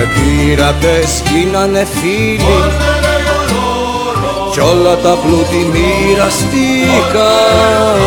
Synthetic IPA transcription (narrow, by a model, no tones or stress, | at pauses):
ɛbiɾapɛskinanɛfili | t͡ʃɔlːat̪aplut̪imiɾast̪ika